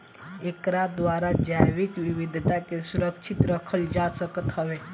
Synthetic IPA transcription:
ekɾad̪ʋaːɾad͡ʒajʋɪkʋɪʋɪd̪ʱt̪akesʊɾəkʃʰɪt̪ɾəkʰəld͡ʒasəkət̪ɦəʋe

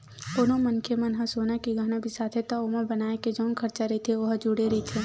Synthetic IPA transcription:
onõmɐnkʰemɐnɦɐ̃soːnakiɡɐɦnabʱisaːt̪ʰet̪aomɐbɐnaːeked͡ʒoːnkʰɐɾt͡ʃaɾɐit̪ʰeʋɐɦd͡ʒuɽeɾɐɦit̪ʰe

